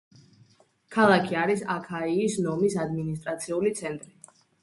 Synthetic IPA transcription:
kʰalˠakʰiaɾisakʰaiːsnɔmisad̪minis̬t̪ʼɾat̪sʰiulit̪sʰɛnt̪ʼɾi

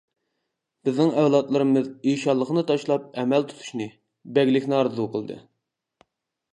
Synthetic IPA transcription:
b̥ɪznɪŋɛwlˠɑt̪lˠɨɾɨmɨzijʃɑlˠːəχnɨt̪ʰɑʃlˠɑp̚ɛmɛlt̪ʰu̥t̪ʰu̥ʃnɨ | bɛɡʲlɪkʲnɪɑɾɨzuqʰəlˠd̪ɨ̰

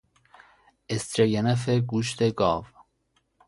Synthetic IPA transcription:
est̪ɾejenefeɡuːʃt̪ʰeɡɑːv

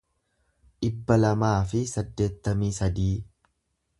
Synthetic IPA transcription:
ᶑɪbːɐlɐmaːfɪsɐd̪ːe̞ːt̪ːɐmiːsɐd̪iː

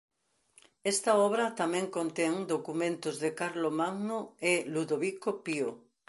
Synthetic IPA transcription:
est̪ɐɔβɾɐt̪amɛ̃ŋkont̪ɛŋd̪okumẽnt̪ʊzðɪkaɾlomaŋnoeluðoβikopio

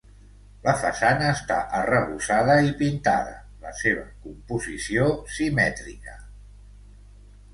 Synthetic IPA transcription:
ləfəsanəːst̪aʔərəβusað̞əipint̪a̰ðə̰ | ləseβ̞əkumpuzisiosimɛt̪ɾikə

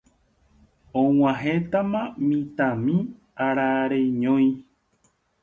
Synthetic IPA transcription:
õw̃ãɦet̪amãmĩt̪ãmĩ | aɾaɾeɲõj̃

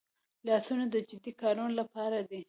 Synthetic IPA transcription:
lɑsunad̪əd͡ʒɪd̪ikɑɾunolapɑɾad̪i

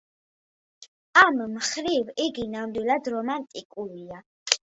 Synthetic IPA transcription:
ammχɾiviɡinamd̪wilad̪ɾɔmant̪ʼikʼuɾia

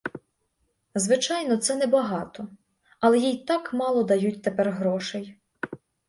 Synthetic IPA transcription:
zʋɪt͡ʃɑjnɔt̪sɛnɛbɐɦɑt̪ɔ | ɐlˠɛjijt̪ɑkmɑlˠɔd̪ɐjutʲt̪epɛrɦɾɔʃej

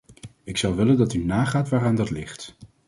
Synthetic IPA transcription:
ɪksɑwʋɪləndɑtynaːχaːtʋaːraːndɑtlɪχt

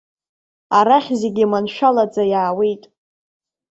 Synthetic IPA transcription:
aɾaχʲze̞ɡʲimanʃᶣalad͡zajaːwejtʼ

